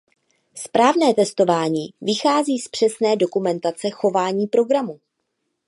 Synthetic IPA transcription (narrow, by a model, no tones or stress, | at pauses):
spɾaːvnɛːt̪ɛst̪o̞vaːɲiːvɪxaːziːspr̝̥ɛsnɛːdo̞kumɛnt̪at͡sɛxo̞vaːɲiːpɾo̞ɡɾamu